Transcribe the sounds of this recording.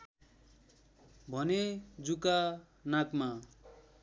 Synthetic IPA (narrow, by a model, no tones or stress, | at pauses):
bʱʌned͡zuka | nakma